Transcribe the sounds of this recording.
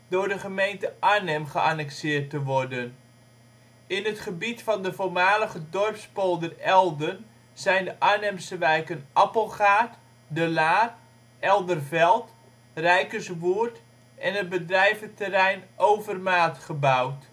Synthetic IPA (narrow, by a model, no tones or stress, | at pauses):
dʊːɹdəχəmejntəʔanɛmχəʔanɛksɪːrtəʋɔrdən | ɪnɦətχəbitfɑndəvoːrmaːləχədɔrpspolˠdərɛlˠdən | zɛjndəʔanɛmsəʋɛjkənʔɑpəlˠχaːt | dəlaːt | ɛlˠdərvɛlˠt | rɛjkəsʋurt | ʔɛnɦəd̚bədrɛjvətərɛjnʔowvərmaːtχəbawt